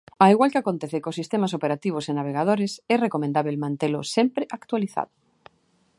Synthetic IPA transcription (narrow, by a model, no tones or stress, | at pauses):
aiɣwalkeakont̪eθekosist̪emasopeɾat̪iβ̞ʊsenaβ̞eɣað̞oɾesɛrekomẽnd̪aβelmãnt̪elʊsɛmpɾɪʔakt̪waliθa̰ðʊ